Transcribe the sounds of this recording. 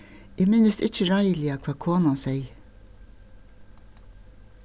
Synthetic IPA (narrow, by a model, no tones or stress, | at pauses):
ɪːmɪnəst̪ɪt͡ʃːəɹɑɪəlɪakʰʋɑːkʰoːnansɛɪ